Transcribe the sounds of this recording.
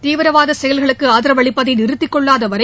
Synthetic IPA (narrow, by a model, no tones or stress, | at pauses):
t̪iːʋɪɾɐʋaːðɐsɛjɐlɣɐɭɯkːɯaːðɪɾɐʋɐɭɪpːɐðɐɪnɪɾɯt̪ːɪkːɔɭːaːðɐʋɐɾɐɪ